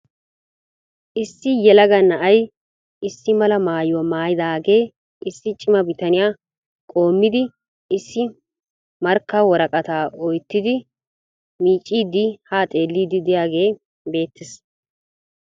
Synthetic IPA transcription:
ʔɪsːɪjɛlɐɡɐnɐʔɐj | ɪsːɪmɐlɐmaːjwɔmaːjɪd̪aːɡe̞ː | ɪsːɪt͡ʃʼɪmɐbɪt̪ɐnɪjaː | kʼo̞ːmːɪd̪ɪ | ɪsːɪ | mɐɾkːɐwɔɾɐkʼɐt̪aːʔɔjt̪ːɪd̪ɪ | miːt͡ʃʼːiːd̪ɪhaːt̪ʼe̞ːlːiːd̪ɪd̪ɪjaːɡe̞ː | be̞ːt̪ːɛs

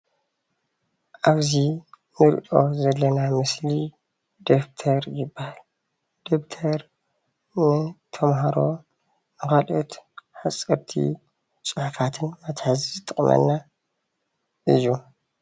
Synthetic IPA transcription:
ʔaβzi | nɨɾ̰ʔʼozɐlːɐnamɨsli | d̪̥oft̪ʰɐɾjɪbːahal | d̪̥opt̪ʰɐɾ | nɨt̪ʰɐmɦaɾo̞ | mɨχalʼot̪ħat͡sʼːɐɾt̪ʰḭ | t͡sʼɨħfat̪ʰɨnmɐt̪ħazzɨt̪ʼːɨχʼmɐ̰nːa | ʔɨjːu

